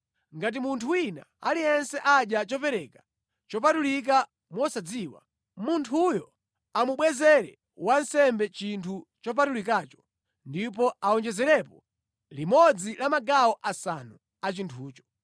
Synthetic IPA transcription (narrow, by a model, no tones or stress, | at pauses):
ŋɡat̬imuntʰuwina̰a̰lijɛnsɛʔaɗjat͡ʃɔpɛɾɛkḁ | t͡ʃɔpatulik̬a | mwɔsad͡ziwa̰ | muntʰujɔ | amuɓwɛzɛɾɛ̰ | wansɛmbɛt͡ʃintʰut͡ʃɔp̬atulikaːt͡ʃɔ̥ | ndipɔaɔnd͡ʒɛzɛɾɛpɔ | limɔd͡zilamaɡaɔʔasanu | at͡ʃintʰuːt͡ʃɔ̥